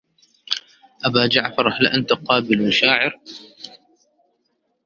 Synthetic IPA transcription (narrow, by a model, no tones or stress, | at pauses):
ʔabaːd͡ʒaʕfɑɾˤħlɪʔant̪aqɑːbɪlmaʃaːʕɪɾ